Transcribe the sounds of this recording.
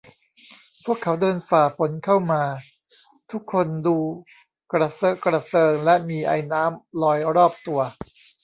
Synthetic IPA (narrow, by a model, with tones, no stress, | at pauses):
pʰu˥˩əkʰːa˦˥wdɤː˧nfaː˨˩pʰo˩˦nkʰa˥˩wmaː˧ | t̪ʰu˦˥kʰːo˧nduː˧ | kɾa˧sɤ˦˥kɾa˧sɤː˧ŋlɛ˦˥ʔmiː˧ʔa̰˧jnaː˦˥mlɔː˧jɾɔː˥˩p̚t̪u˧ɐ